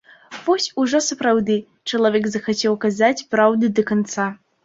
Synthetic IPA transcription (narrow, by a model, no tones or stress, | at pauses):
vɔsʲuʐɔsɐpɾawd̪ɨ | t͡ʂɐlˠavʲɛkzɐxat͡sʲɛwkazat͡sʲpɾawd̪ɨd̪ɐkant̪sa